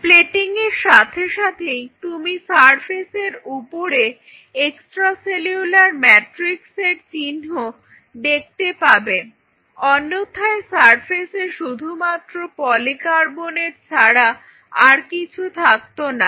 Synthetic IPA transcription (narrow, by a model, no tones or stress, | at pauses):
pleʈiŋeɾʃat̪ʰeʃat̪ʰejt̪umisaɾpʰeseɾupoɾe | eksʈɾaseliulaɾmɛʈɾikseɾt͡ɕinɦo | d̪ek̚ʰt̪epabe | ɔnːot̪ʰaesaɾpʰeseʃud̪ʱumat̪ːɾopɔlikaɾboneɾt͡ɕʰaɽa | aɾkit͡ɕʰut̪ʰak̚t̪ona